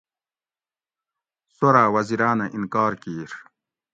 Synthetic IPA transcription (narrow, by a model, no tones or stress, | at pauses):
soɾaːwɐziɾaːnɐʔinkaːɾkiːɾ